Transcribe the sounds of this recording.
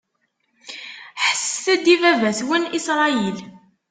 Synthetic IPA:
ħə̥sːθæd̪ivævæθwinisɾˤɑjil

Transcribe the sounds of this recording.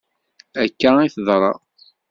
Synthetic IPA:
ækːaiθðˤɾˤɑ̰

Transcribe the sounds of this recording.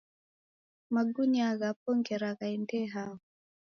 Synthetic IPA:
maɡuɲaɣapɔŋɡɛɾaɣaindɛɦaɔ

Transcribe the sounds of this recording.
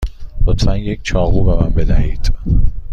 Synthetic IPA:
b̥ot̪ʰːænjek̚ʰʲt͡ʃʰɒːɣuːbemænbed̪æhiːd̪̥

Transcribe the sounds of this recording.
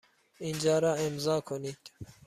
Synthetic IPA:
ind͡ʒɑːɾɑːimzɑːkʰonit̪

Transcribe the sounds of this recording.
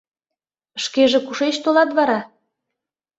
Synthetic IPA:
ʃkeʒĕkuʃeʃt̪olɑt̪βɑɾɑ

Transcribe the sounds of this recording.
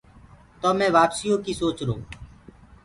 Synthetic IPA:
t̪oːmɛ̃ːʋaːpsijõːkiːsoːt͡ʃɾõ̰ː

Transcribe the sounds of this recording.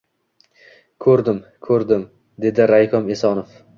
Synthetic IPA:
kʰɵɾd̪ɪmkʰɵɾd̪ɪm | d̪e̞d̪ɪɾajkʰɒmesɒnof

